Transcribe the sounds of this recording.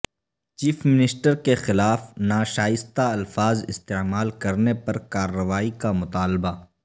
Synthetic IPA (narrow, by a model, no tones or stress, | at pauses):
t͡ʃiːfmɪnɪsʈəɾkexɪlaːfnaːʃaːjɪst̪aɐlfaːzɪst̪eːmaːlkɐɾnepɐɾkaːɾːɐʋaːikamʊt̪aːlba